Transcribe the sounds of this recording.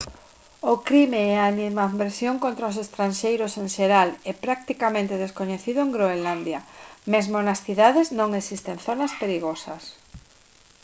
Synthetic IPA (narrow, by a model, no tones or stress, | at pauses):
okɾimeɛanimabeɾsjoŋkõnt̪ɾaos̬est̪ɾanʃejɾoseŋʃeɾalɛpɾak̚t̪ikamẽnt̪eð̞eskoɲeθiðʊeŋɡɾoeland̪jɐmezmonɐsθiðaðeznõŋesist̪eŋθonaspeɾiɣosɐs